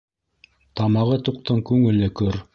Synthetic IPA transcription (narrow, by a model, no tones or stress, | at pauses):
t̪ɑmɑʁɤt̪uq̚t̪ɤɴkʉŋɘ̆lɘkɵɾ